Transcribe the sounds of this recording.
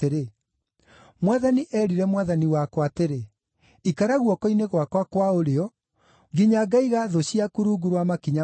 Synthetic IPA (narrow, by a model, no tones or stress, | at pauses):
eɾe | mwaðaniʔɛːɾiɾɛmwaðaniwakwateɾe | ikaɾaɣwɔkɔineɣwakwakwaoɾeɔ | ɡiɲaɡaiɣaðoɕiakuɾuɡuɾwamakiɲa